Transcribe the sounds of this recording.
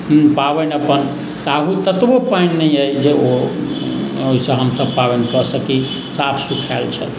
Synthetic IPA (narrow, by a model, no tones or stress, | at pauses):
pabənəpən | t̪aɦut̪ət̪bopajnːəiəjd͡ʒeo | oɦisə̃ɦəmsəbpaʋenkəsəki | sapʰsukʰalt͡ʃʰɛ̰t̪